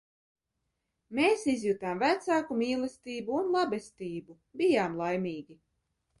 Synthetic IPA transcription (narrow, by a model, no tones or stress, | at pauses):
meːsizjut̪aːmvæt̪saːkumiːlˠɛst̪iːbuunlˠabɛst̪iːbu | bijaːmlˠajmʲiːɡʲi